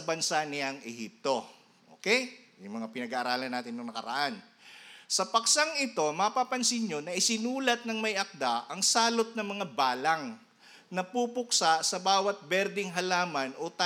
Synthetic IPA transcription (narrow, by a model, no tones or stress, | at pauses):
ɐbɐnsanɪaŋʔɛhḭp̚t̪o̞ | ʔo̰ːkɛjjʊŋmɐŋapɪnɐɡaʔːɾaːlɐnːaːt̪ɪnːʊŋnɐkɐɾɐ̰ʔan | sɐpɐk̚saŋɪt̪o̞mɐpapɐnsɪnɲo̞nɐʔɪsɪnuːlɐt̪̚nɐŋmɐjʔɐk̚d̪aʔɐŋsaːlot̪̚nɐŋmɐŋabaːlɐŋ | nɐpuːpʊk̚sasɐbaːwɐt̪̚bɛɾd̪ɪŋɦɐlaːmɐnʔot̪a